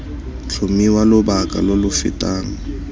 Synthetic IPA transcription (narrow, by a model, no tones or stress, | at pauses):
t͡ɬʰʊmiwalʊbakʼa̰lʊlʊfɪ̰tʼaːŋ̩